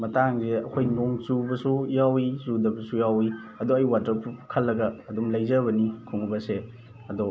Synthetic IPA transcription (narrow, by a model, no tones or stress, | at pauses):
mɐtaŋzeɐkʰojnoŋt͡ʃubɐsujawizudɐbɐsujawiɐdoɐjwatɾɐpukʰɐlːɐɡɐːdumlɐjzɐβɐnikʰoŋbɐse | ɐdɔ